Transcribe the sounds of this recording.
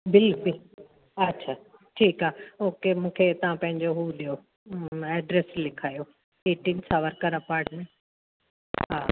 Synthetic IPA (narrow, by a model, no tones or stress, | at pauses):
bɪlkʊl | ɐtːɕʰaː | ʈʰiːkɦaːoːkemũːkʰet̪ɐʋ̤ãpɐ̃ɦɪ̃ɲd͡ʑoɦuːɗijo | ɛːɖɾeslɪkʰaːjo | eːʈɪ̃ŋsaːʋəɾkɐɾapaːɾʈmẽ | ɦɦaː